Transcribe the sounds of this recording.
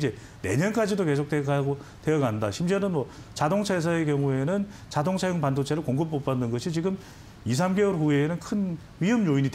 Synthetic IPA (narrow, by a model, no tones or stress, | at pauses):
d͡ʑe̞ | ne̞̰ɲʌnk͈ad͡ʑidoke̞sʰok̚t͈eɡaɡo | tejʌɡandaɕʰimt͡ɕeɾɯnmwʌ | t͡ɕadoŋt͡ɕʰas̬ʰaekjʌŋue̞nɯn | t͡ɕadoŋt͡ɕʰajoŋpandot͡ɕʰeɾɯɭkoŋɡɯp͈̚op͈anːɯnɡʌɕʰit͡ɕiɡɯm | is̬ʰamɡeʌɾɸueːnɯnkʰɯn | ɥiɦʌmɲoiɲid